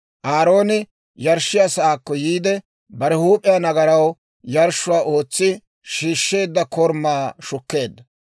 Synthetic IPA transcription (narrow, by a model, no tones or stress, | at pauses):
ʔaːɾo̞ːnɪ | jɐɾʃːɪjasɐaːkːɔjiːd̪ɛ | bɐɾɛhuːpʼːɪjaːnɐɡɐɾɐw | jɐɾʃʊwaːʔo̞ːt͡sːɪ | ʃiːʃːe̞ːd̪ːɐkɔɾmːaːʃʊkːe̞ːd̪ːɐ